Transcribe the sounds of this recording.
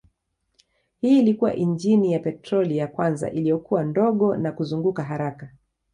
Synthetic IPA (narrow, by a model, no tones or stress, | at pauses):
hiːlikuwa̰ʔind͡ʒinijapɛtɾɔlijakwanza̰ʔilijɔkuwandɔɠɔnakuzuŋɡukaɦaɾaka